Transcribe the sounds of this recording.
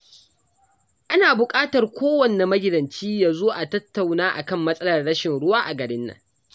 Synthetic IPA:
ʔa˦naː˨bʊ˨kʼaː˦tɐ˨rkʷʰoː˦wɐ˨nːe˨mɐ˦ɡʲɪ˨dɐ˨nt͡ʃiː˦jaː˨zoː˦ʔa˨tɐ˦tːa˨wnaː˦ʔa̰˨kɐ˦˨mːɐ˦sʼɐ˦lɐ˨rɽɐ˦ʃɪ˨nɽʊ˦waː˦ʔa˨ɡɐ˨ɽɪ˦nːɐ̰˨ŋ

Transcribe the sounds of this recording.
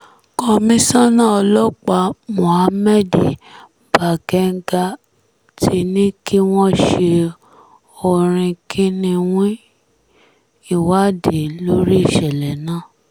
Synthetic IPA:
kɔ˧mĩ˦sã˦nã˦˨ɔ˧lɔ˦k͡pa˧mɔ̃˨a˨˦mɛ˦di˨ | ba˨ɡɛ˨˦ŋ̩˦ɡa˧ | ti˧˦nĩ˦ki˦w̃ɔ̃˦ʃe˧ | o˧ɾ̃ĩ˧kʰi˦nĩ˧wĩ˦ | i˦˨wa˨˦de˨lo˦ɾi˦i˦˨ʃɛ˨lɛ˨nãː˦˨

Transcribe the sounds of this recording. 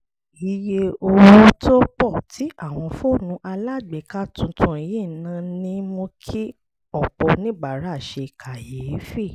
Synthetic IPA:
i˨˦je˦o˧ɾu˦tʰo˦k͡pɔ˦˨tʰi˨˦ʔa˦˨w̃ɔ̃˧fo˦˨nũ˧˦ʔa˧la˦˨ɡ͡be˨ka˦tũ˧tũ˧˦i˧ji˦˨˦nã˨˦nĩ˦mo˧kʰi˦ | ɔ˦˨k͡pɔ˧nĩ˨˦ɡ͡ba˨ɾa˦˨ʃe˧˨kʰa˨je˨˦fi˦˨

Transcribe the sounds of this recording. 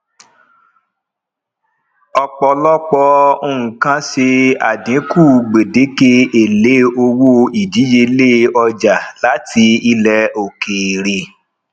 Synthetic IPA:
ɔ˧k͡pɔ˧lɔ˦k͡pɔ˧o˧˨ũ˨kã˦ʃe˧a̰˨dĩ˨˦ku˦˨ɡ͡be˨de˨˦ke˧e˨le˨˦o˧wo˦i˨di˨˦je˧˦le˦ɔ˧d͡ʒa˨la˨˦tʰi˧i˧lɛ˧o˨ke˨ɾe˨

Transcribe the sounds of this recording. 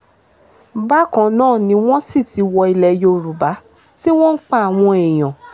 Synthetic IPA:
ba˦kã˧˦nãː˦˨nĩ˧w̃ɔ̃˦si˦˨ti˨˧wɔ˧i˧lɛ˧jo˧˨ɾu˨ba˨˦ | ti˦w̃ɔ̃˦n̩˦k͡pa˦a˨w̃ɔ̃˧ɛ˨j̃ã˨

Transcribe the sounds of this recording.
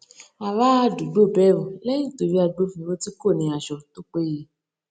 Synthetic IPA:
a˨wa˦a˦du˨ɡ͡bo˦˨bɛ˦ɾũ˨lɛ˦jĩ˦˨to˨ɾi˦a˧ɡ͡bo˦fĩ˧ɾo˦ti˦ko˦˨nĩ˨a˨ʃɔ˨to˦k͡pe˦je˧˦

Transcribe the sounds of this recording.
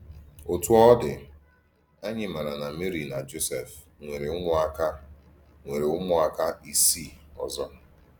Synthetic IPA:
o˨tu˦ɔ˦dɪ˨ | a˦ɲɪ˦ma˨ɾa˨na˨me˦ɾi˨na˨d͡ʒo˦se˨f | ŋʷe˨ɾe˨ʊ˦ŋʊ˦a˦ka˦ | ŋʷe˨ɾe˨ʊ˦mʊ˦a˨ka˦i˨si˦˨ɔ˨zɔ˦

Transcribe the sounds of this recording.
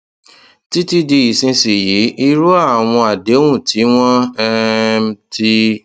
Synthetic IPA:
ti˦ti˦di˧i˨sĩ˧si˨ji˨˦ʔi˦ɾu˦a˦˨w̃ɔ̃˧a˨de˨˦wũ˦˨ti˨˦w̃ɔ̃˦ɛ˦m˦ti˦

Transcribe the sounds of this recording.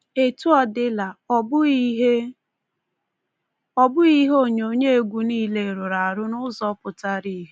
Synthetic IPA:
e˨tu˦ɔ˦dɪ˦la˨bɦe˦ | ɔ˦bʊ˦i˦ɦo˦ɲo˨ɲe˦e˨ɡʷu˨niː˦le˨ɾʊ˨ɾa˨a˨ɾʊ˦nʊ˦zɔ˦pʊ˨ta˦ɾi˦ɦe˦

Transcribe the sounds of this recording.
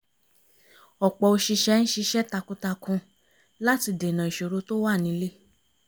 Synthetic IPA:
ɔ˨k͡pɔ˨o˧ʃi˧ʃɛ˦ñ̩˦ʃi˧ʃɛ˦ta˧kũ˧ta˧kũ˧ | la˦ti˧de˨nã˨i˨ʃo˨ɾo˧˦to˦wa˦˨nĩ˧˦le˦

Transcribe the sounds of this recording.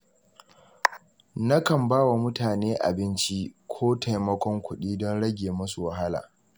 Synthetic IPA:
na˦kɐ˨mbaː˦wa˨mʊ˦taː˨neː˦ʔa̰˨bɪ˦nt͡ʃi˦kʷʰoː˦ta˨jmɐ˦kʷɔ˦ŋkʷʊ˦ɗiː˦dɔ˦nɽɐ˦ɡʲeː˨mʊ˦su˨wɐ˨ɦa˦la̰ː˨

